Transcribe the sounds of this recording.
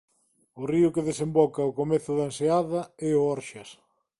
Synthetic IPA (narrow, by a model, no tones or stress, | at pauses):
ʊriʊkeðesembɔkɐʊkomeθʊðɐenseaðɐɛoɔɾʃɐs